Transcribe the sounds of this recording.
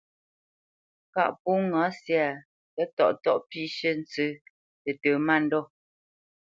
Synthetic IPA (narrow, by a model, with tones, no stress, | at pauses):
ka̰˦˨ʔpu˦ŋa˨˦sja˨ | kɛ˦tɔ̰˨ʔtɔ˦˨ʔpi˦˨ʃə˦n˦t͡sɨ˦ | tə˨təː˨ma˦˨n̩˦dɔ˦˨